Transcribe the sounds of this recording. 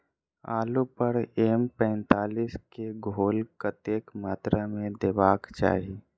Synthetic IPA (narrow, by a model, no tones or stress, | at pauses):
aːlupəɾeːmpɛ̃ːnt̪aːliːskeɡʱoːlkət̪eːkmaːt̪ɾamẽd̪eːbaːkt͡ʃa̰ːɦi